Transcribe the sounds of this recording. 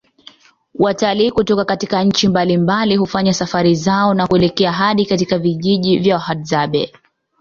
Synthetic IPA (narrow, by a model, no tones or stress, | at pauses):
wʔataliːkutɔkakatikaɲ̩t͡ʃimbalimbaliɦufaɲasafaɾizaɔnakuɛlɛkɛaɦaɗikatikaviʄiʄivjawahadzaɓɛ